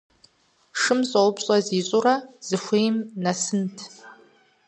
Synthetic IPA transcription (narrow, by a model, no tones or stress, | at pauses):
ʂɨmsʼowpɕʼɐziːɕʼʊrɐz̥ɨxʷejmnasɨntʰ